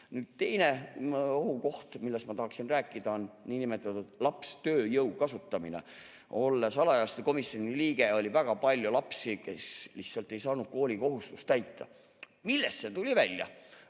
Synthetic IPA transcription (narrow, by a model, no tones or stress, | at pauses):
nyːd̪̥t̪e̞jneoɦuko̞ht̪milːest̪mɑt̪ɑhɑksinræːkːˑid̪̥ɑo̞nniːnime̞t̪ːˑɑt̪ud̪lɑpst̪øːjɤwkɑsut̪ːˑɑminḛ | o̞lːesɑlɑjɑlst̪eko̞misio̞niliːɡ̥e̞o̞lʲivæɡ̥ɑpɑlʲjulɑpsikesliht̪sɑlt̪ːˑe̞jsɑːnud̪̥̚ko̞ːlʲiko̞ɦust̪u̥st̪æjt̪ʰːˑɑ̰ | milːest̪se̞t̪ulʲivælʲjɑ̰